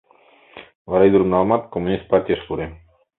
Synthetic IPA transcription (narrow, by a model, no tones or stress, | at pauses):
vaɾajd̪uɾunalˠmat̪̚komunist̪̚paɾt̪ʲiaʃpuɾe